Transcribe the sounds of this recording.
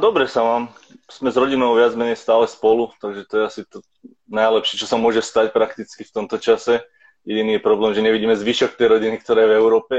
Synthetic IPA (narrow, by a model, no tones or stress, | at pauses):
d̪ɔbɾɛsamaːmsmɛzɾɔɟinɔʊʋɪad͡zmɛɲɛjst̪aːlɛspɔlut̪aɡʒɛt̪ɔjɛasit̪ɔ | najlɛpʃɛt͡ʃɔsamʊɔʒɛst̪acpɾakt̪it͡skift̪ɔmt̪ɔt͡ʃasɛ | jɛɟiniːjɛpɾɔblɛːmʒɛɲɛʋiɟiːmɛzʋiʃɔk̚t̪ɛjɾɔɟinik̚t̪ɔɾɛːjɛvɛʊɾɔːpɛ